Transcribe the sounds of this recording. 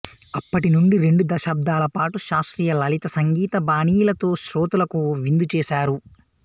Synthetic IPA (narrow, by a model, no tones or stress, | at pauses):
ɐpːɐʈinuɳɖiɾe̞ɳɖud̪ɐʃaːb̚d̪ʱaːlɐpaːʈuʃaːsʈɾiːjɐlɐlit̪ɐsɐŋɡiːt̪ɐbaːniːjlɐt̪o̞ːʃɾoːt̪ulɐkuʋind̪ut͡ʃɛːʃaːɾu